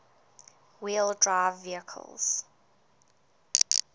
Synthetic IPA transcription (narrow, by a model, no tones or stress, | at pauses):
wilˠdɹaɪvːiəkʰə̰lˠz̥